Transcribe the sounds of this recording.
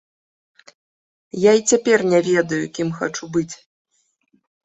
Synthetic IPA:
jait͡sʲapʲɛrnʲɛvʲɛd̪ɐjṵkʲimxa̰t͡ʂubɨt͡sʲ

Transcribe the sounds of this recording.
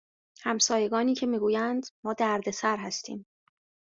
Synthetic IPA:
hæmsɒːje̞ɡɒːniːcʰe̞miːɡuːjænd̪mɒːd̪æɾd̪e̞sæɾɦæst̪ʰḭːm

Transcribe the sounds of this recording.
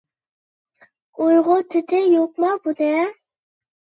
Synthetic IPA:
ojʁʊt̪ʰɪt̪ʰɪjoq̚mɑbud̪ɛ

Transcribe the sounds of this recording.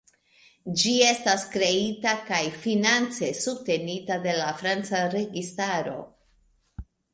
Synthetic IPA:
d͡ʒie̞staskɾe̞itakajfinant͡se̞sub̚te̞nitade̞lafɾant͡saɾe̞ɡistaɾo̞̰

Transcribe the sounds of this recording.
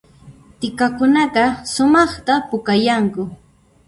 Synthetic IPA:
t̪ɪkakʊnɑɢɑsʊmɑχt̪apʊkajaŋkʊ

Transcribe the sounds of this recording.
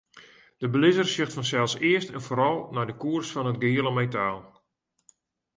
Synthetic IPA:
d̥əbəlɪzərsɪxtfɔnsɛlˠsɪəstɛnfoːɾɔlˠnajdəkuərsfɔnɦət̚ɡɪiːəlˠəmejtaːlˠ

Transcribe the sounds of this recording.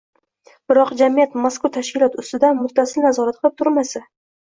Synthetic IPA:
b̥ɪɾɒqd͡ʒamijat̪maskʊt̪ʰaʃkʲɪlˠɒt̪ʊst̪ɪd̪anmʊt̪ʰːasɪlnazɒɾat̪̚qɨlɪp̚t̪ʰʊɾmasa

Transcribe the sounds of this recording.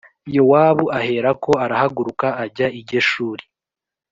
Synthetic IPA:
jowaːβuʔahe̞ɾako̞aɾahaɡuɾukaːɟaiɾɟo̞ʃuːɾi̥

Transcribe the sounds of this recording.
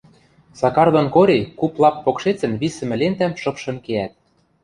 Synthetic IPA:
sɑkɑrd̪ŏnkoɾʲekuplˠɑpːokʃet͡sɘ̆nβisɘ̆mɘ̆lent̪æmʃɤ̆pʃɤ̆nkeæt̪̚

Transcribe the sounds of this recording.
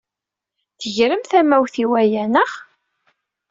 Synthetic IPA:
θəʝɾəmθæmæwθiwæjænəʁ

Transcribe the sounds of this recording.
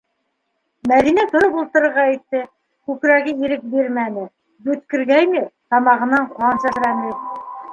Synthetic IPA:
mæðinæt̪ŏɾɤpulˠt̪ɤ̆ɾɤ̆ɾʁɑæjt̪ːɘ | kʉkɾæɡɘiɾɘk̚biɾmænɘ | bɵ̆t̪̚kɘ̆ɾɡæjnɘt̪ɑmɑʁɤ̆nɑɴqɑnsæsɾænɘ

